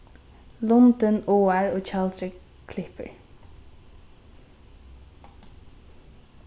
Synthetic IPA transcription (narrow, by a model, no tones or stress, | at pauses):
lʊnt̪ənoːaɹoːt͡ʃʰalt̪ɾɪ | kʰlɪpə̰ɹ